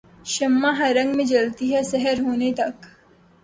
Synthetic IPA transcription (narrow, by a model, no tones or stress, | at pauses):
ʃɐmːaɦɐɾɐ̃ŋɡmẽd͡ʒɐlt̪iɦɛsɛɦəɾɦoːnet̪ɐk